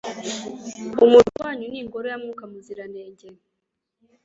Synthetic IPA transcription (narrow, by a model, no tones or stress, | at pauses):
umutuwaːɲuniŋɡoɾojamŋuːkamuziɾaneːɲɟe